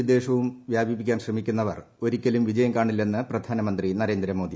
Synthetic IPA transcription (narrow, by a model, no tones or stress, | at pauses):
id̪e̞ːʂɐʋumʋjaːbʱipikʲːaːnɕrɐmikʲːunːɐʋɐ̰r | o̞ɾikʲːɐlumʋid͡ʑɐjɐmkaːɳilːe̞nːɨprɐd̪ʱaːnɐmɐnd̪rinɐɾe̞ːnd̪ɾɐmo̞ːd̪i